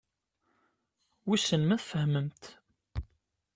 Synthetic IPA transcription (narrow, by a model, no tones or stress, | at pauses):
wisənmæθfəhməmt̪